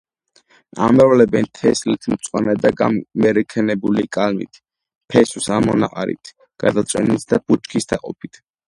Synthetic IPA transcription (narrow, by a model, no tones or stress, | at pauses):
a̰mɛvlɛbɛnt̪ʰɛslit̪ʰmt̪sʼwanad̪aɡamɛɾɛkʰɛnɛbulikʼalmḭt̪ʰ | pʰɛsusamɔna̰qʼaɾḭt̪ʰ | ɡ̥a̰d̪at̪sʼwɛ̰nit̪ʰd̪abut͡ʃkʰisd̪aqʼɔpʰit̪ʰ